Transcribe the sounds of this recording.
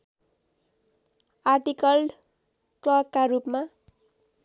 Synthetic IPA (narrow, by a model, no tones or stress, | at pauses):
arʈikʌlɖ | klʌb̚kaɾupma